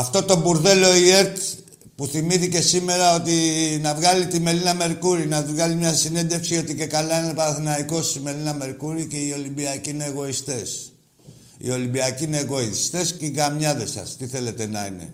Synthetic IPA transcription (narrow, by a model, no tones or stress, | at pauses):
ɐft̪o̞t̪o̞buɾðe̞lo̞ie̞ɾt̪ | puθimiθice̞sime̞ɾɐo̞t̪inɐvɣalit̪ime̞linɐme̞ɾkuɾinɐvɣalimɲɐsine̞nd̪e̞fksio̞t̪ice̞kalɐinepɐθinɐiko̞sime̞linɐme̞ɾkuɾice̞io̞limbiɐcineːɣo̞ist̪e̞s | ḭo̞limbiɐciine̞ɣo̞ist̪e̞sceiɣamɲɐðe̞sɐ̰st̪iθe̞le̞t̪e̞nɐ̰ḭne̞̰